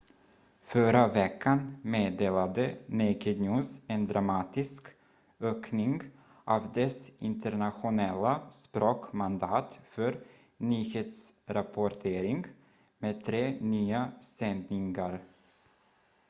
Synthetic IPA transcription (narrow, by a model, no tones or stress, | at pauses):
fœɾavɛkʰːanmeːd̪eːlad̪ənɪkəd̪nuːsɛnd̪ɾamɑːt̪ɪsk | øːknɪŋ | ʔavd̪ɛsɪnt̪ənaɧʊnɛlːaspɾoːkmand̪ɑːt̪fœɾ | nyːheːt̪sɾapʰɔʈʰeːɾɪŋɡ | meːd̪̚t̪ʰɾeːnyːasɛnd̪nɪŋaɾ